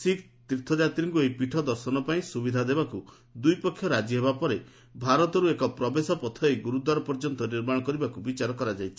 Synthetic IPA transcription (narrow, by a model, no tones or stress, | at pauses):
sik | t̪ɾit̪ʰɔd͡ʒat̪ɾiŋkuejpiʈʰɔd̪ɔɾsɔnɔpaĩsubid̪ʱad̪ebaku | d̪ujpɔkʰːjɔɾad͡ʒiɦebapɔɾe | bʱaɾɔt̪ɔɾuekɔpɾɔbesɔpɔt̪ʰɔejɡuɾud̪waɾɔpɔɾd͡ʒɔnt̪ɔniɾmãɔkɔɾibakubit͡ʃaɾɔkɔɾad͡ʒajt͡ʃʰi̥